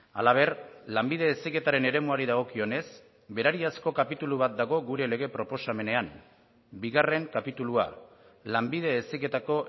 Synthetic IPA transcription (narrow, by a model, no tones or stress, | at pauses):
alaβ̞e̞rlambiðe̞ːsike̞t̪aɾe̞ne̞ɾe̞muaɾiðaɣ̞o̞kio̞ne̞s | be̞ɾaɾiasko̞kapit̪uluβ̞at̪̚d̪aɣo̞ɣuɾe̞le̞ɣe̞pɾo̞po̞same̞ne̞am | biɣare̞ŋkapit̪ulua̰ | lambið̞e̞ːsike̞t̪ako̞